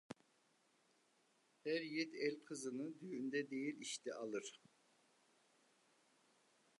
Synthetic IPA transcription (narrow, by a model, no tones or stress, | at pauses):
hæɾjɛt̪ɛlʲkʰɯzɯnɯd̪yjynd̪ɛd̪ejilʲiʃt̪ʰɛʔalˠɯɾ̥